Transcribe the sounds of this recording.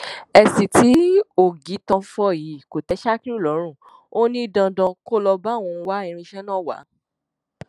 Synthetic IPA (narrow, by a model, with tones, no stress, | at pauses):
ɛ˧si˨ti˨˦o˨ɡi˨˦tã˧˦fɔ˧˨ji˨˦ko˨tɛ˨˦ʃa˦ki˦u˦˨lɔ˨˦ɾ̃ũ˦˨ | o˦nĩ˦i˦dã˧dã˧ko˦lɔ˧ba˦˨w̃ɔ̃˧wa˦ĩ˧ɾ̃ĩ˧ʃɛ˦nãː˦˨wa̰˨˦